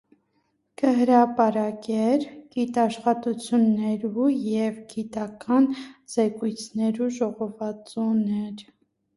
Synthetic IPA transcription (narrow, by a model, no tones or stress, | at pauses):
kəɦəɾɑpɑɾɑkɛɾɡ̥it̪ɑʃχɑt̪ut͡sʰjunːɛɾujɛvɡit̪ɑkɑnzɛkujt͡sʰnɛɾuʒɔʁɔvɑt͡sunɛɾ